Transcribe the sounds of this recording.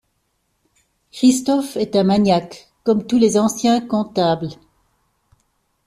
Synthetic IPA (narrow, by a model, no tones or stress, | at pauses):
kχist̪ɔfɛt̪ɛ̃maɲjakː | ɔmt̪ulezɑ̃sjɛ̃kɔ̃t̪abl